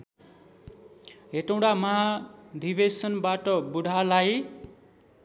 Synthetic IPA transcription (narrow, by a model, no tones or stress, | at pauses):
ɦeʈʌw̃ɽamʌɦad̪ʱibesʌnbaʈʌbuɽʱalaj